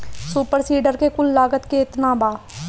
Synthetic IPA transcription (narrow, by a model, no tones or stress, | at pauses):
suːpəɾsiːɖəɾkekʊlːaːɡət̪keɪt̪naːbaː